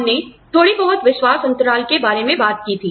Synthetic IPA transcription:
nːet̪ʰoːɽibɐɦʊt̪ʋɪʃwaːsɐ̃nt̪əɾaːlkebaːɾemẽbaːt̪̚kiːt̪ʰiː

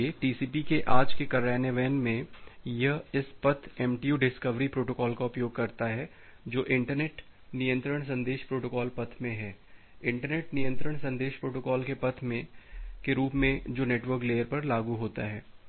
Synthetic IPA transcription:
eʈiːsiːpikeʔaːd͡ʒkekɐɾɛːnəʋɛːnmẽjɐɦɪspɐt̪ʰɛːmʈijuːɖɪskəʋɾipɾoːʈokɔːlkaʊpjoːɡ̚kɐɾt̪aɦɛː | d͡ʒoːʔɪ̃ɳʈəɾneːʈ | nijə̃nt̪ɾəɽ̃s̬ɐ̃nd̪eːʃpɾoːʈoːkɔːlpɐt̪ʰmẽɦɛː | ɪ̃ɳʈəɾneːʈnɪjə̃nt̪ɾəɽ̃sɐ̃nd̪eːʃpɾoːʈoːkɔːlkepɐt̪ʰmẽkeɾuːpmẽd͡ʒoːneːʈʋəɾkleːəɾpɐɾlaːɡuɦoːt̪aɦɛː

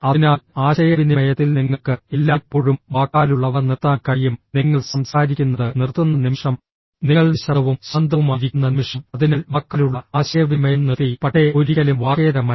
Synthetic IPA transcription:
ɐinaːlaːɕɐjɐʋinemɐjɐt̪ːilniŋːɐɭkɨelːaːpːo̞ːɻumʋaːkːaːluɭːɐʋɐrnirt̪ːaːnkɐɻijumniŋːɐɭsɐmsaːɾikʲːunːɐðɨnirt̪ːunːɐnimʂɐm | niŋːɐɭniɕɐɐʋumɕɐnd̪ʱɐʋumaːɾikʲːunːɐnimʂɐmɐðinɐlmɐkːɐluɭːɐaːɕɐjɐʋimɐjɐmniðijpɐʈːeoɾiɣɐlumʋaːkeːðɐmɐ

